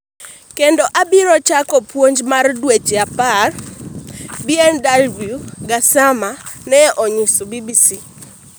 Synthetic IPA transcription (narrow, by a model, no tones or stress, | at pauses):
kendoʔabiɾɔt͡ʃakɔpwoɲd͡ʒmardwet͡ʃeapar | biɛndalbjuɡasamanɛʔɔɲisɔbibisi